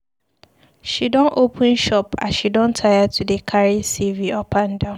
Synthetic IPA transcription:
ʃidɔ̃nʔopʰə̃nʃɔpa̰ʃidɔ̃ntʰajatʰudekʰaɹisiviɔpʰãndãʊ̃

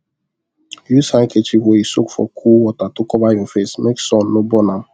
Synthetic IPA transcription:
jusaŋket͡ʃiweisokfɔ̰kʰuwɔtatʊkɔbajɔfesmeksɔn̩ːobɔnam

